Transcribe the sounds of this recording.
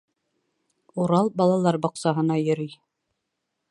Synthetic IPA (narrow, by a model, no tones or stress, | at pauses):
uɾɑlˠbɑlˠɑlˠɑɾbŏqsɑɦɤ̆nɑjɵ̆ɾij